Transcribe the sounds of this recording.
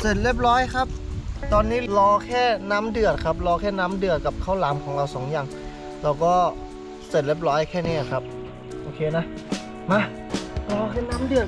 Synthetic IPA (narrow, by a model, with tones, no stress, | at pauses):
se˨˩n̚le˦˥˩p̚lɔː˦˥jkʰa˦˥p̚t̪ɔː˧nːiː˦˥˩lɔː˧kʰɛː˥˩naː˦˥˨mdɯ˨˩ət̪̚kʰa˦˥˩p̚lɔː˧˥kʰɛː˥˩naː˦˧˥mdɯ˨˩ət̪̚ka˨˩p̚kʰa˧˥˩wlaː˨˦mkʰɔː˩˦ŋla˧˩wsɔː˩˦ŋjaː˧ŋ | laː˧wkɔː˥˩ | se˨˩t̪̚le˦˥˩p̚lɔː˦˥jkʰɛː˥˩niː˧˥˩ʔa˨˩kʰa˦˥p̚ | ʔoː˧kʰeː˧na˧˦˥ | ma˧˩ | lɔː˧kʰɛː˥˩naː˦˥˨mdɯ˨˩ət̪̚